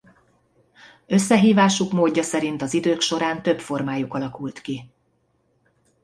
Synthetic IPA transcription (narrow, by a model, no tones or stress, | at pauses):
ø̞sːɛɦiːvaːʃukmoːɟːɒsɛɾint̪ɒzid̪øːkʃo̞ɾaːnt̪ø̞pfo̞rmaːjukɒlɒkult̪ki